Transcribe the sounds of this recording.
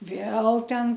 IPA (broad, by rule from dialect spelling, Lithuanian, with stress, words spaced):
ˈʋʲeːlˠ ˈtʲɛn